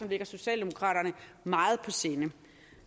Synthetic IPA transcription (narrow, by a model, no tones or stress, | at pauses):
ɒ̽mle̝ɡ̥ɐso̝ɕɛ̰ːld̥emo̝kʰʁɑ̰̈ːɾ̥ɐnə | mɑ̈ːð̞̩ˠpʰɒ̽se̝ːnə